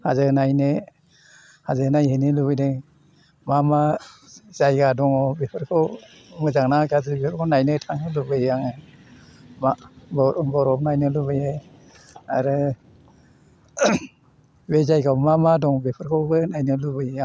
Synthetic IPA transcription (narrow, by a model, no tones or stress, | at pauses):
hazɯnajnɯ | hazɯnajheniluβɯjdɯŋ | mama | zajɡadɔŋɔbepʰɯɾkʰɯw | mɯzaŋnaɡazɯbepʰɯɾkʰawnajnɯtʰaŋnɯlubɯjjaŋɯ | mabbɔɾɔp̚najnɯlubɯje | a̰ɾɯ | wezajɡawmamadɔŋbepʰɯɾkʰawbɯnajnɯlubɯja